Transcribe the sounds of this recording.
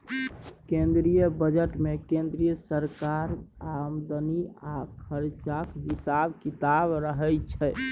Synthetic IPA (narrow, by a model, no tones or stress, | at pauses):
kẽnd̪ɾijəbəd͡ʒəʈmekẽnd̪ɾijəsəɾkaɾamd̪əniakʰəɾt͡ʃakɦisabkit̪abɾəɦɛjt͡ʃʰɛ